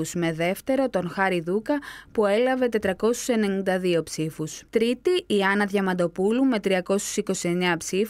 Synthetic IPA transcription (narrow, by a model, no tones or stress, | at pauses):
usme̞ðe̞ft̪e̞ɾo̞t̪o̞nxɐɾiðukɐpue̞lɐve̞t̪e̞t̪ɾɐko̞su̥se̞ne̞nind̪ɐðio̞psifust̪ɾit̪iːɐnɐðʝɐmɐd̪o̞pulume̞t̪ɾiɐko̞su̥siko̞sie̞ɲɐpsif